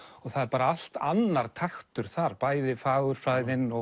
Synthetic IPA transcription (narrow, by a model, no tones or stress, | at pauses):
ɔɣθaðɛɾpaːɾaal̥t̪anːaɾ̥t̪ʰaxt̪ʏɾ̥θaɾpaːjðɪfaːɣʏɾ̥fɾaːjðɪnɔ